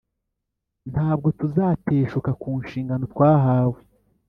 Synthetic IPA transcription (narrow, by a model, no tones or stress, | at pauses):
nhaːb̚ɡo̞tuzaːte̞ːʃukakuːnʃiːŋɡano̞tkwaːɦaːwe